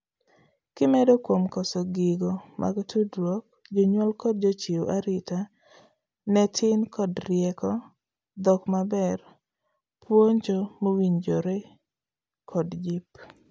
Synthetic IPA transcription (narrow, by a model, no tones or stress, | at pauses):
kɪmɛdɔkwomkɔsɔɡɪɡɔmʔa̰ɡtʰudɾwɔk̚ | d͡ʒɔɲwɔlkɔd̚d͡ʒot͡ʃioʔaɾɪta | nɛtʰɪnkʰɔdɾjɛkɔ | d̪ɔkmabɛr | pwoɲd͡ʒɔmowiɲd͡ʒoɾe | kʰɔdd͡ʒip